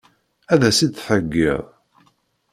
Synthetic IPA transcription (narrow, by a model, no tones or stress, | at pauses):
æðæsid̪θħəɡːḭðˤ